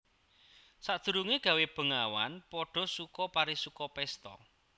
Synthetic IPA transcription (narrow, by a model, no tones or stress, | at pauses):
sad̪̥ə̤ɾuŋeɡ̥ä̤web̥ə̤ŋawa̰npɔɖ̥ɔ̤sukɔpaɾisukɔpɛst̪ɔ̰